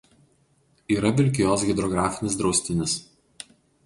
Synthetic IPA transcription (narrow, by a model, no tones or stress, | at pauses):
iːɾɐʋʲɪlʲkʲɪjoːs̬ɡʲɛd̪ɾɔɡɾɑːfʲɪnʲɪs̬d̪ɾɒʊsʲt̪ʲɪnʲɪs